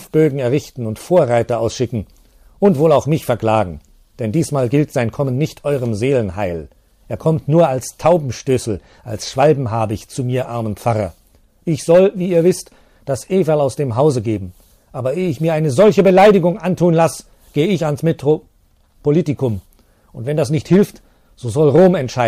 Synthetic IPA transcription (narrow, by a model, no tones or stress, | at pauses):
fb̥øːɡŋ̩ɛɐʁɪçtn̩ʊntfoːɐʁaɪtɐaʊsʃɪkŋ̩ | ʔʊntv̥oːlaʊxmɪçfɛɐkl̥aːɡŋ̩ | d̥ɛndiːsmaːlɡɪltz̥aɪnkʰɔmənːɪçtʰʔɔʏʁəmzeːlənɦa̰ɪl | ʔeːɐkʰɔmtnuːɐalstʰaʊbm̩ʃtʏsl̩ | ʔalsʃv̥aɪbm̩ɦaːbəɪçt͡sumiːɐʔaɐmənp͡faʁɐ | ʔɪçz̥ɔlviːiːɐvɪst | d̥asʔeːvalaʊsd̥eːmɦaʊzəɡeːbm̩ | ʔaːbɐeɪçmiːɐʔaɪnəzɔlçəbəlaɪdɪɡʊŋʔantʰuːənlas | ɡ̥eːəɪçansmetʁo | poliːtɪkʊm | ʔʊntv̥ɛndasnɪçthɪlft | z̥oːzɔlʁoːmɛntʃaɪ